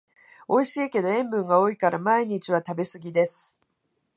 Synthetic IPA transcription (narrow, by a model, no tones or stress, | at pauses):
o̞iɕiːke̞d̪o̞ẽ̞mbɯ̟̃ŋɡao̞ikaɾamaiɲ̟it͡ɕiβat̪abe̞sɨɡʲid̪e̞sɨ̥